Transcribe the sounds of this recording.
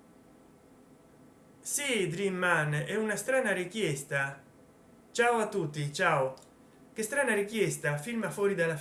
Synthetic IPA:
sid̪ɾimːanɛunast̪ɾaːnaɾikjɛst̪a | t͡ʃaːwat̪ːut̪ːit͡ʃaːw | kɪst̪ɾaːnaɾikjɛst̪afilmafɔːɾid̪ala

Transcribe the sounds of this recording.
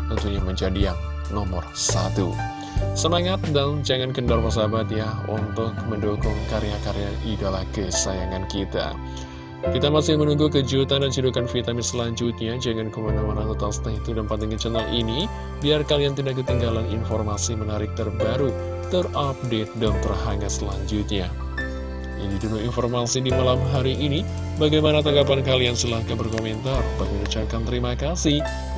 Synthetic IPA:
t̪ənt̪uɲaməɲd͡ʒadijaŋ | nɔmɔ̰rsa̰t̪ṵ | səmaŋat̪̚dand͡ʒaŋankəndarwas̬abat̪jahṵnt̪ʊk̚məndokɔŋkaɾeakaɾeaʔidalahkəsa̰jaŋankit̪a̰ | kit̪amasɪhmənuŋɡukəd͡ʒut̪andant͡ʃudukanfit̪amɪsəlaɲd͡ʒut̪̚ɲad͡ʒəŋankəmanamanat̪ət̪awsə̥t̪aɦit̪udanpant̪iŋant͡ʃənaŋʔini | biarkaliant̪idak̚ːət̪iŋɡalaninformasimənaɾɪk̚t̪ərbaɾu | t̪ərap̚det̪̚dant̪ərɦaŋɡasəlaɲd͡ʒut̪̚ɲa | jandidunuinformasidimalamɦaɾiʔːni | baɡajmanat̪aŋɡapankaliansəlahɡabərkomɛnt̪arbaməɾut͡ʃakant̪əɾimakasih

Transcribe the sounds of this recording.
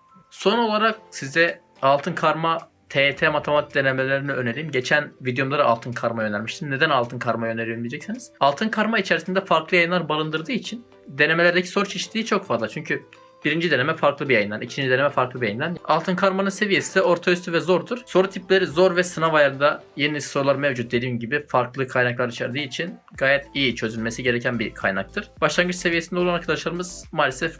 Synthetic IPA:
so̞no̞lˠaɾak̚sizd̪ɛ | alˠt̪ʰɯnkʰaɾma | t̪ʰet̪ʰemat̪ʰemat̪i̥d̪e̞nemelʲeɾiniøneɾiːimɟe̞t͡ʃʰænvid̪jomlˠaɾɯa̰lˠt̪ʰɯnkʰaɾmajø̞næɾmiʃt̪ʰinne̞d̪ænalˠt̪ɯnkʰaɾmajøneɾijønmijed͡ʒɛcsiniz̥alˠt̪ʰɯnkʰaɾmait͡ʃʰeɾisind̪ɛfaɾklˠɯjajɯnˠaɾbalˠɯnd̪ɯɾd̪ɯːit͡ʃʰin | d̪e̞nemelʲæɾd̪ecʰi̥so̞ɾut͡ʃʰeʃi̥t̪ʰːʲiːt͡ʃʰo̞kfazlˠat͡ʃʰyɲcʰy | biɾind͡ʒid̪e̞ne̞mɛfaɾklˠɯbijajɯnd̪anicʰind͡ʒid̪eemɛfaɾklˠɯbijajɯnd̪ana̰lˠt̪ɯnkʰaɾmanɯnse̞vije̞sinɛo̞ɾt̪ʰayst̪ʰyvɛzo̞ɾd̪uɾ̥so̞ɾut̪ʰiplʲe̞ɾizo̞ɾvɛsɯnavajˠaɾɯnd̪ajeniso̞ɾulˠaɾmevd͡ʒut̪̚d̪e̞d̪iːmɟibifaɾklˠɯkʰajnaklˠaɾit͡ʃʰɛɾd̪ɯːit͡ʃʰin | ɡaːjɛt̪ijit͡ʃʰø̞zylʲme̞siɟe̞ɾecʰænbikʰajnak̚t̪ʰɯɾ̥baʃlˠanɡɯt͡ʃsevijesind̪ɛolˠanaɾkʰad̪aʃlˠaɾɯmɯz̥maːlʲesɛf

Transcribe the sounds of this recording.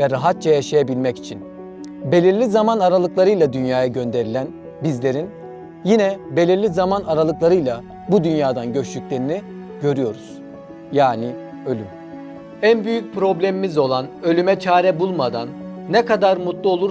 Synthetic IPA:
vɛɾaɦat̪̚t͡ʃʰajaʃajabilʲmɛci̥t͡ʃʰin | be̞lʲiɾlʲizamanaɾalˠɯklˠaɾɯjlˠad̪ynjaːjaɟø̞nd̪e̞ɾilʲæn | bizlʲe̞ɾin | jinɛbe̞lʲiɾlʲizamanaɾalˠɯklˠaɾɯjlˠa | bud̪ynjaːd̪anɟøt͡ʃlʲycʲlʲe̞ɾini | ɟø̞ɾyjo̞ɾuz̥ | jaːni | ø̞lʲym | ænbyjyc̚pɾo̞blʲemimizo̞lˠanø̞lʲymɛt͡ʃʰaːɾɛbulˠmad̪anːɛkad̪aɾmut̪lˠuo̞lˠuɾ

